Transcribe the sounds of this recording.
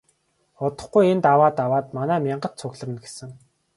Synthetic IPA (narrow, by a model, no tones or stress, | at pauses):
ʊt̪ə̆χɡujent̪awaːt̪awaːt̪manæːmʲaɴɢə̆tt͡sʰʊɣɮə̆m̆nɡe̥sɘ̆ŋ